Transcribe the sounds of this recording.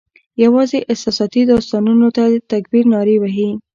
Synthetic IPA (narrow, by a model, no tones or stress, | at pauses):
jawɑzeʔɪsɑsɑt̪id̪ɑst̪ɑnunot̪ad̪ət̪akbiɾnɑɾiwaɦi